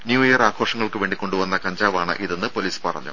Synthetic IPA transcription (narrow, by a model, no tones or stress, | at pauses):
njuːijɐraːkʰo̞ːʂɐŋːɐɭkɨʋe̞ːɳɖikːo̞ɳɖuʋɐnːɐkɐɲd͡ʑaːʋaːɳɨ̰ʔiðenːɨpo̞liːspɐrɐ̰ɲːṵ